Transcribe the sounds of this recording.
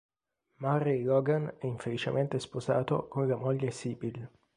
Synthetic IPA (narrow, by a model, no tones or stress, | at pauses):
marilɔɡanɛiɱfelit͡ʃḛmʔent̪espoza̰ːt̪o̰konlamoʎːesiːbil